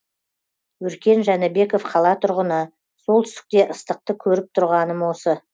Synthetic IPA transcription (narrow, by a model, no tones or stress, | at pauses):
wɵɾkʲe̞nʒænɪbe̞ko̞fqʰɑlˠɑt̪ʰʊɾʁənə | so̞lˠt̪ʰʏst̪ɪ̥k̚t̪e̞ʔəst̪əq̚t̪əkʲʰɵɾɪp̚t̪ʰʊɾʁɑnəmwo̞sə